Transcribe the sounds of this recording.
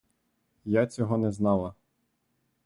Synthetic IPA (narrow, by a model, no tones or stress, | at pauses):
jat͡sʲɔɦɔnɛznɑlˠɐ